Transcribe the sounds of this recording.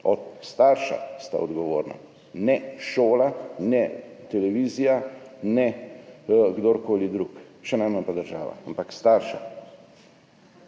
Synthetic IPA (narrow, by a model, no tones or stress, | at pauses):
ɔt̪st̪aɾʃa̰st̪a̰ɔd̪ɡɔʋoːɾna̰ | nɛʃoːlanɛt̪ɛlɛʋiːzijanɛ | ɡd̪oɾkoːlid̪ɾukʃɛnajmanpad̪əɾʒa̰ːʋa̰ampakst̪aːɾʃa̰